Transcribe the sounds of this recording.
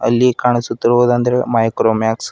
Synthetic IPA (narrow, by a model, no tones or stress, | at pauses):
ɐ̰lːikaːɳisut̪ːiɾuʋd̪ɐnd̪ɐɾemaːjkɾoːmjaːks